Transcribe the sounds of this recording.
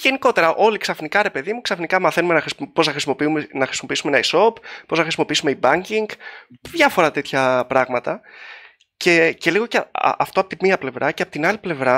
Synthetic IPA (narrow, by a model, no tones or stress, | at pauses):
ʝe̞niko̞t̪e̞ɾɐʔo̞liksɐfnikɐɾe̞pe̞ðimuksɐfnikɐmɐθe̞nume̞nɐxspo̞znɐxɾismopiumenɐxɾisimo̞piisume̞nɐiso̞ppoznɐxɾisimo̞piisume̞ibɐɲciŋɡðʝɐfo̞ɾɐt̪e̞t̪çɐpɾɐɣmɐt̪ɐ | ce̞ce̞liɣo̞cḛɐft̪o̞ɐpot̪imiɐple̞vɾʔɐceɐpo̞t̪inɐliple̞vɾɐ